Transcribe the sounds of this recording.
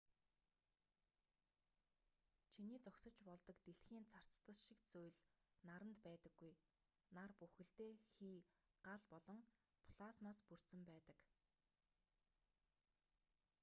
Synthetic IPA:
t͡ɕʰiniːt͡sɔksɞ̆t͡ɕpɔɮt̪ɞ̆kt̪eɬxiːnt͡sʰar̥t͡st̪ə̆ɮʃikt͡sujɮnaɾə̆nt̪pæːt̪ə̆ɡːuj | narpuxɘ̆ɬt̪eːxiː | ɢ̥aɮpɔɮɞ̆ŋ | pʰɮ̥asmaːspur̥t͡sɘ̆mpæːt̪ə̆k

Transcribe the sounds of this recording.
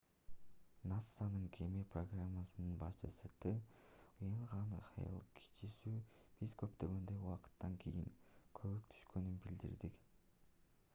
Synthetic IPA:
nat̪sːanɯŋkʰemepro̞ɡramːasɯnɯnbɑʃt͡ʃɯsɯt̪ɯujɑɴʁɑnχɑ̰jɯ̰lˠkʰi̥t͡ʃisyːb̥izkø̞pt̪ø̞ɡø̞nd̪ø̞jwɑqɯ̥t̪ːɑŋkʰejiŋkʰø̞βøk̚t̪ʰy̥ʃkø̞nynbild̪ḭɾd̪ik

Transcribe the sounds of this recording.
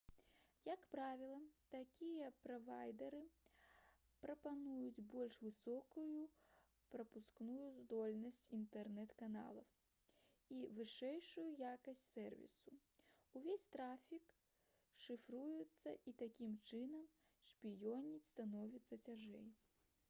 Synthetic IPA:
jɐkpɾavʲilˠɐt̪akʲijɐpɾɐvajd̪ɛɾɨ | pɾɐpanujud͡zʲbɔlʲʂvɨsɔkuju | pɾɐpusknujuzd̪ɔlʲnɐsʲt͡sʲint̪ɛrnɛt̪kana̰lˠɐw | ivɨʂɛjʂujujakɐsʲt͡sʲsɛrvʲḭsu | uvʲesʲt̪ɾafʲik | ʂɨfɾujut̪sːɐʔit̪akʲimt͡ʂɨnɐm | ʂpʲijɔnʲit͡sʲst̪anɔvʲit̪sːɐt͡sʲaʐɛ̰j

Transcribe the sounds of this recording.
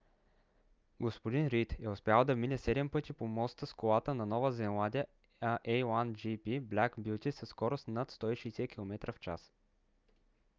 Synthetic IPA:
ɡospod̪inɾit̪ɛʊspʲjalˠd̪ɐvminɛsɛd̪ɛmpɤt̪ipomɔst̪əskolˠat̪ənɐnɔvəzɛnlˠad̪ʲiə | ʔɛjland͡ʒipiblʲakbjut̪isəskɔɾosnat̪st̪ɔiʃɛjsɛkʲilˠomɛt̪ɾʔəft͡ʃa̰s

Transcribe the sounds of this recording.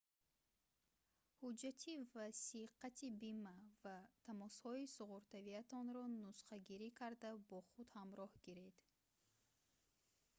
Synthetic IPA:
hud͡ʒat̪ʰivasiqat̪ʰibimavat̪ʰamɔshɔisuʁuɾt̪aviat̪ʰɔnɾɔnusχaɡiɾikʰaɾd̪abɔχud̪hamɾɔhɡiɾed̪̥

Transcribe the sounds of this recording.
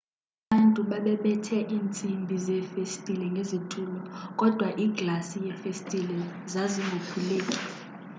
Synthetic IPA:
a | ɓantʼuɓaɓɛɓɛtʰɛʔiːnt͡sʼimbʱizɛfestʼilɛŋɡʱezitʰʼuːlɔk̬ʼɔd̥ʱwaʔiːɡ̥lasijɛfestʼilɛzaziŋɡʱupʰuleːkʼi̥

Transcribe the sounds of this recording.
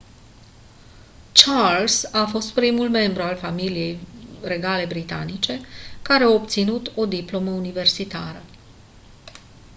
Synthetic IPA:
t͡ʃalsafo̞st̪pɾimulme̞mbɾualfamilije̞jre̞ɡale̞bɾit̪a̰nit͡ʃe̞kaɾe̞aop̚t̪sinut̪o̞d̪iplo̞məunive̞rsit̪aɾə

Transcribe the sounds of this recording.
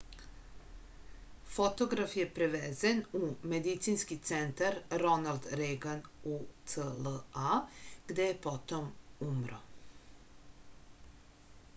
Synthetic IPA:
fo̞t̪oɡɾafje̞pɾeʋeːzenumed̪it̪sinskit̪sent̪aɾɾo̞nald̪ɾeɡanut̪səlaɡ̥d̪ejepo̞t̪omumɾo̰

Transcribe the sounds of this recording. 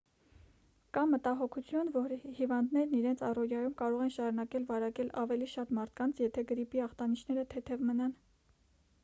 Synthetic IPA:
kɑmət̪ɑɦɔkʰut͡sʰjunvɔɾhivɑnd̪nɛɾniɾɛnt͡sʰɑrɔɾjɑjumkɑɾɔʁɛnʃɑɾunɑkɛlvɑɾɑkɛlɑvɛliʃɑt̪mɑɾt̪ʰkɑnt͡sʰjɛt̪ʰɛɡəɾipiɑχt̪ɑnit͡ʃʰnɛɾət̪ʰɛt̪ʰɛvmənɑn

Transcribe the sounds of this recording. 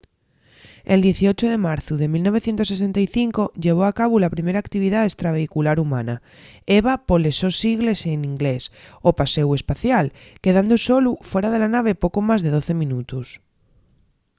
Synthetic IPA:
eld̪je̞θio̞t͡ʃoð̞e̞maɾθuðe̞milno̞β̞e̞θje̞nt̪oses̬e̞nt̪ajθiŋko̞ʎe̞β̞oakaβ̞ulapɾime̞ɾaːkt̪iβ̞iðaest̪ɾaβ̞e̞ikulaɾumãna | eβapo̞le̞so̞siɣle̞senĩŋɡlesopase̞we̞spaθjalke̞ðand̪oso̞lufwe̞ɾað̞e̞lanaβ̞e̞po̞komazðe̞ðo̞θe̞mĩnut̪us

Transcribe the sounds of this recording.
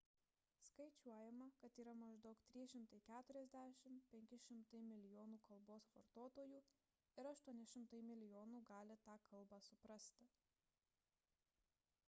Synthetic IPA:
skɐɪt͡ʃʲuɔjɛmɐkɐt̪iːɾɐmɐʒd̪ɒʊkt̪ʲɾʲiːʃʲɪmt̪ɐɪkʲæːt̪ʊɾʲɛzʲd̪ʲæːʃʲɪmpʲɛŋʲkʲɪʃʲɪmt̪ɐɪmʲɪlʲɪjoːnuːkɐlˠboːsʋɐɾt̪oːt̪oːjuː | ɪɾɐʃt̪uɔnʲɪʃʲɪmt̪ɐɪmʲɪlʲɪjoːnuːɡɑːlʲɪt̪ɑːkʰɐlˠbɑːsʊpɾɐsʲt̪ʲɪ

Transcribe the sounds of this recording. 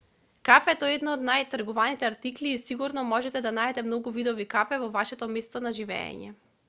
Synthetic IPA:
kafɛt̪ɔɛd̪nɔɔd̪najt̪ɾɡɔvanit̪ɛaɾt̪ikliːsiɡuɾnɔmɔʒɛt̪ɛd̪anaɛt̪ɛmnɔɡuvid̪ɔvikapɛvɔvaʃɛt̪ɔmɛst̪ɔnaʒivɛ̰ɛ̰ɲɛ̰

